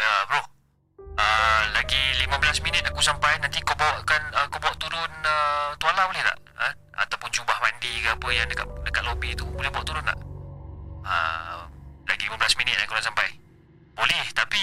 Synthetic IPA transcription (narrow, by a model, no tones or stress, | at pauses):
jabɾɔh | əlaɡilimə̃bəlasminɪt̪̚akusampajnant̪ikabawaʔkanəkabawaʔt̪uɾʊnət̪ualabolɛhla̰ʔ | ə | a̰t̪awpʊnd͡ʒubahmandikəapəjaŋdəka̰ʔdəkat̪̚lobit̪ubolɛhbawaʔt̪uɾʊnla̰ʔ | ə̰mlaɡilimə̃bəlasminɪt̪̚a̰kuɾʊnsampaj | bolɛht̪api